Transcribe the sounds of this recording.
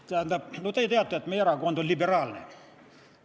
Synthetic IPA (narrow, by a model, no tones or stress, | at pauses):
t̪ænt̪ɑnot̪eit̪eæt̪ːæet̪meːɾɑːkuont̪olʲiberɑːlnḛ